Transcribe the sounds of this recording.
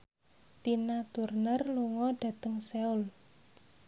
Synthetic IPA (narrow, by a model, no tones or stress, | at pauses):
t̪inat̪urnərluŋɔɖ̥ä̤t̪əŋseul